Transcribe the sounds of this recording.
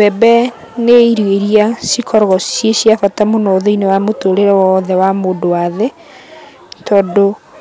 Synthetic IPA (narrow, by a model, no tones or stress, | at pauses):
bɛbɛ | neiɾweɾiasikʰɔɾɣɔsjesiafatamonɔːðoinewamotoɾeɾɛwɔːðɛwamoːdowaðe | tɔːdo